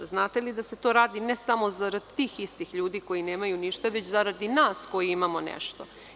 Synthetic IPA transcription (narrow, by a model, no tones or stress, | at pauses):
znaːt̪elid̪ase̞t̪o̞ːɾaːd̪inesamo̞zaɾad̪̚t̪iːxist̪ixʎuːd̪iko̞jineːmajuniʃt̪aʋe̞t͡ɕzaɾad̪inaːsko̞jiimamonḛʃt̪o